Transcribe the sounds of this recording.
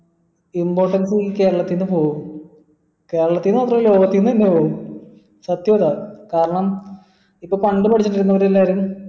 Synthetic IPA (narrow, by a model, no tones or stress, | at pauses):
impo̞ːʈːɐnsike̞ːɾɐɭɐt̪ːinːɨpo̞ːɣuum | ke̞ːɾɐɭɐt̪ːinːɨmɐt̪̬ːrɐjlo̞ːɡɐt̪ːinːɨt̪ɐnːe̞poːɣum | sɐt̪joːd̪akaːɾɐɳɐm | ipːoːpɐɳɖɨpɐʈʰit͡ɕːɐniɾunːɐʋɐɾelːaːɐɾum